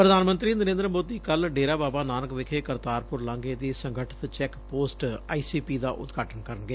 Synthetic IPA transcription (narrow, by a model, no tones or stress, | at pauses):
pɾəd̪ʱaːnmənt̪ɾiːnəɾẽːnd̪ɾəmoːd̪iːkəlɖeːɾaːbaːbaːnaːnəkʋɪkʰeːkəɾt̪aːɾpʊɾlãːŋɡeːd̪iːsəŋɡʱəʈʰə̥t̪t͡ʃɛːkpoːsʈaːiːsiːpiːd̪aːʔʊ̰t̪ɡʱaːʈənkəɾənɡeː